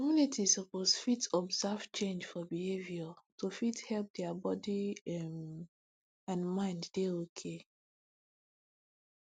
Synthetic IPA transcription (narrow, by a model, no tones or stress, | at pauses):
kɔmunitʰisɔposfitɔbzav̥t͡ʃẽnd͡ʒfɔbiheviɔtofithɛlp̚dɛabɔdiɛm | ãnmãɪ̃nddeokʰe